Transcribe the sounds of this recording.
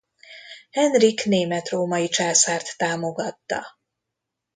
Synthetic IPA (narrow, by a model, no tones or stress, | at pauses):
hɛnrikneːmɛt̪roːmɒjit͡ʃaːsaːrt̪ːaːmo̞ɡɒt̪ːɒ̰